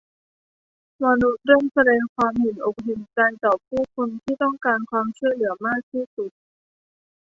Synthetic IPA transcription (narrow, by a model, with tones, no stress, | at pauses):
ma˧nu˦˥t̪̚ɾɤ˥˩msa˧dɛː˧ŋkʰwaː˧mhe˨˩nʔo˨˩k̚ɦe˨˩nkaː˧nt̪ɔː˨˩pʰuː˥˩kʰo˧nt̪ʰiː˥˩t̪ɔ˥˩ŋkaː˧nkʰwaː˧mt͡ɕʰu˥˩əlɯ˩˦ɐmaː˥˩k̚t̪ʰiː˥˩su˨˩t̪̚